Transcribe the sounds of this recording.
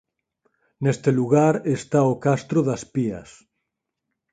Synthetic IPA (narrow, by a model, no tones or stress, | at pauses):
nest̪eluɣaɾest̪aokast̪ɾoðaspiɐ̰s